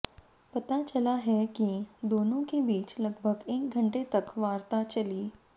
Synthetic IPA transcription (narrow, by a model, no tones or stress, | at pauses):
pɐt̪at͡ʃɐlaɦɛkid̪oːnõkebiːt͡ʃlɐɡbʱəɡeːk̚ɡʱɐ̃ɳʈet̪ɐkʋaːɾt̪at͡ʃɐliː